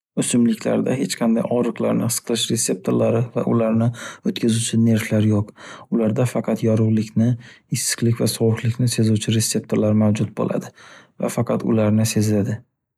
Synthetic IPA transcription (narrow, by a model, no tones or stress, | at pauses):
ʊsʊmlɪkʲla̰ɾd̪a̰ɦe̞t͡ʃqʰɑnd̪ajɒɾɨqlˠa̰ɾnɪɨ̥sqʰlˠɪʃɾe̞se̞p̚t̪ʰoɾlaɾɪva̰ʔʊlaɾnɪot̪kʲazʊt͡ʃʰɪne̞ɾflaɾjoqʊlaɾd̪afɑqʰɑt̪jɒɾʊʁlˠɪkʲnɪ | ɪsːɨ̥qlɪkʲvasɒwʊqlɪkʲnɪse̞zut͡ʃʰɪɾe̞sːe̞p̚t̪ʰoɾlaɾmawd͡ʒʊt̪̚bo̰lʔa̰d̪ɪ | va̰fɑqʰɑt̪ʊ̰laɾnɪse̞zlad̪ɪ